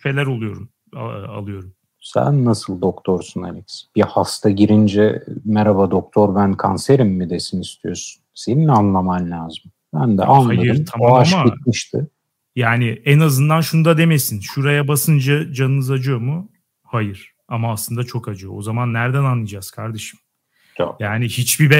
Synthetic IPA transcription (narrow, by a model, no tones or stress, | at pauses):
fe̞lʲæɾo̞lˠujo̞ɾum | a̰lˠɯjo̞ɾum | sæ̰nːasɯlˠd̪o̞kt̪ʰo̞ɾsuna̰lʲɛcsb̥ihast̪ʰaɟiɾind͡ʒɛmɛɾabad̪ok̚t̪ʰo̞ɾbænkʰanseɾimːid̪e̞sinist̪ʰijo̞ɾsu̥nse̞ninanlˠamamlʲaːzim | bænd̪ɛ̰ʔanh̪ajˠajɯɾt̪ʰamaʃmaɟit̪̚miʃt̪ʰɪ̰ | jaːnɪɛnazɯnd̪anʃunud̪ad̪e̞mesinʃuɾajabasɯnd͡ʒad͡ʒanɯnɯzad͡ʒɯjo̞mu | hajɯɾ̥ | amaːslˠɯnd̪at͡ʃʰo̞kad͡ʒɯjoozamanːæɾd̪ænanlˠɯd͡ʒaz̥kʰaɾd̪eʃɯ̥m | o̰jaːnihit͡ʃbibɛ